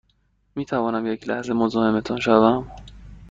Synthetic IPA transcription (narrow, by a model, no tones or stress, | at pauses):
miːt̪ʰævɒːnæmje̞cʰlæ̰hze̞mozoːhemet̪ʰunʃævæm